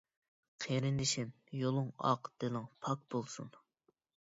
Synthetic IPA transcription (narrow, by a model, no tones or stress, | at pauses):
qʰeɾɪnd̪ɪʃɪn | jolˠʊŋɑ̰qd̪̥elɪŋpʰɑk̚b̥olˠsṵn